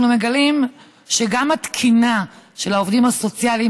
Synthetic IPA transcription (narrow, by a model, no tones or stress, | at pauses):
nume̞ɡalim | ʃe̞ɡamat̪kʰinaʃe̞laovd̪imhaso̞t͡sjali